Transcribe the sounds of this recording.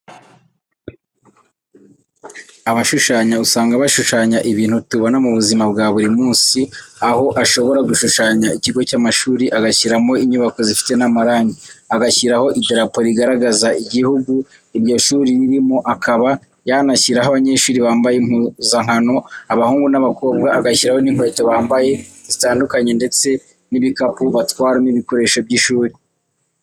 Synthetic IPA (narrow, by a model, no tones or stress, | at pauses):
aβaʃuʃaːɲausaːŋɡaβaʃuʃaːɲaʔiβiːn̥hutuβano̞muβuzimabɡaːβuɾimuːnsiaho̞ʔaʃo̞βo̞ɾaɡuʃuʃaːɲaiciɡo̞caːmaʃuːɾiʔaɡaçiɾamo̞iɲuβako̞zifi̥te̞namaɾaːɲiaɡaçiɾaho̞ʔideɾapo̞ɾiɡaɾaɡazaʔiɟihuɡu | iɾjo̞ʃuːɾiβiɾimoʔakʰaβa | janaçiɾaɦaβaɲe̞ːʃuːɾiβaːmbajemuzaŋ̥hano̞aβahuːŋɡunaβako̞ːb̚ɡaːɡaçiɾaho̞niŋweːtoβaːmbaje̞zitaːndukaɲe̞nde̞t͡se̞ | niβikapuβatwaːɾaniβiko̞ɾe̞ːʃo̞bɟiʃuːɾi